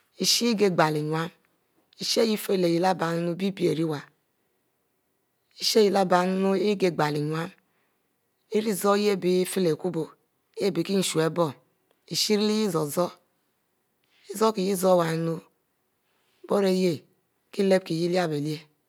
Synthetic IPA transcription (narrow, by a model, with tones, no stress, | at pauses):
i˨ʃi˦ɡe˦ɡ͡ba˨li˨ɲʷ˨a˦m | i˨ʃi˦e˦ji˦fe˦˨le˨ji˨la˦ba˨n˦nu˦bi˦bi˦e˨ɾi˦wa˨ | i˨ʃe˦ji˨la˦ba˨n˦no˦ɡe˨ɡ͡ba˨li˨ɲʷ˨a˦m | e˦ɾi˦zo˦je˦˨bi˨˦fe˦le˨ku˦bo˨˦ | je˦˨bi˨ki˦n̩˨ʃu˨e˦bɔ˦ | i˨ʃi˦ɾi˦li˦ji˦zo˨zɔ˦ | i˦zo˦ki˨ji˦zo˦˨wa˨n˦no˦ | bo˦ɾe˦je˦˨ | ki˦le˦b̚ki˨ji˦li˦a˦be˨li˦e˦